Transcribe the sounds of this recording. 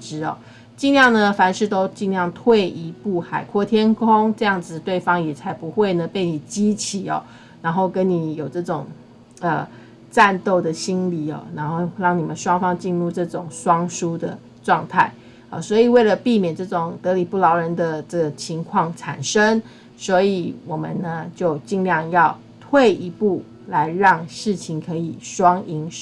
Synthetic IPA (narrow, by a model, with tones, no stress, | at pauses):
ʈ͡ʂɻ̩˥ɔ̰˨˩ | t͡ɕi˥˧nljɑ˥˩ŋnə˨fa˧˥nʂɻ̩˥˩t̪o˥ʊt͡ɕi˥˧nljɑ˥˧ŋt̪ʰwe˥˩ɪi˧˥pu˥˩xa˨˩ɪkʰwɔ˥˩t̪ʰjɛ˥nkʰʊ˥ŋʈ͡ʂɤ˥˧jɑ˥˩ŋd͡zɹ̩˨˩t̪we˥˩ɪfɑ˥ŋjɛ˨˩t͡sʰa˧˥ɪpu˧˦xwe˥˩ɪnə˩pe˥˩ɪni˨˩t͡ɕi˥t͡ɕʰi˨˩ɔ̰˨˩ | na˧˥nxo˥˩ʊkə˦nni˨˩jo˨˩ʊʈ͡ʂɤ˥˩ʈ͡ʂʊ˨˩ŋ | ə˨˩ | ʈ͡ʂa˥˧nt̪o˥˩ʊd̪ə˩ɕi˥nli˨˩ɔ̰˨˩na˧˥nxo˥˩ʊɻɑ˥˩ŋni˨˩mə˦nʂwɑ˥ŋfɑ˥ŋt͡ɕi˥˧nɻu˥˧ʈ͡ʂɤ˥˩ʈ͡ʂʊ˨˩ŋʂwɑ˥ŋʂu˥d̪ə˨ | ʈ͡ʂwɑ˥˧ŋt̪ʰa˥˩ɪ | ə̰˩swɔ˧˥i˨˩we˥˩ɪlə˩pi˥˩mjɛ˨˩nʈ͡ʂɤ˥˩ʈ͡ʂʊ˨˩ŋt̪ɤ˧˥li˨˩pu˥˩lɑ˧˥ʊɻə˧˦˥nd̪ə˧ʈ͡ʂɤ˥˩ɡə˩t͡ɕʰi˧˥ŋkʰwɑ˥˩ŋʈ͡ʂʰa̰˨˩nʂə˦ŋ | swɔ˧˥i˨˩wɔ˨˩mə̰˨˦nnə˦t͡ɕjo˥˧ʊt͡ɕi˥˧ŋljɑ˥˧ŋjɑ˥˧ʊ | t̪ʰwe˥˨ɪi˧˥pu˥˩ | la˧˦ɪɻɑ˥˧ŋʂɻ̩˥˩t͡ɕʰi˧˥ŋkʰɤ˧˥i˨˩ʂwɑ˥ŋi˧˥ŋ